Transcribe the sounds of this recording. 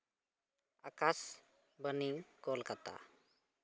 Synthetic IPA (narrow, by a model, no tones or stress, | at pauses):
akas | bənikɔlkat̪a̰